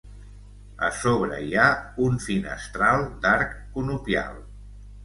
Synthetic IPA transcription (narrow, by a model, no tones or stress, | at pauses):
ə̰soβɾə̰iaunfinə̰st̪ɾalˠd̪aɾkːunupja̰lˠ